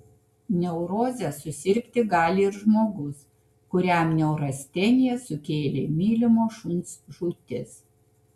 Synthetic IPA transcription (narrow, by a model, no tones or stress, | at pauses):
nʲɛʊɾoːzʲɛsʊsʲɪɾʲkʲt̪ʲɪɡɑːlʲɪɪɾʒmoːɡʊs | kʊɾʲæˑmnʲɛʊɾɐsʲt̪ʲɛnʲɪjɛsʊkʲeːlʲeːmʲiːlʲɪmoːʃʊnsʒuːt̪ʲɪs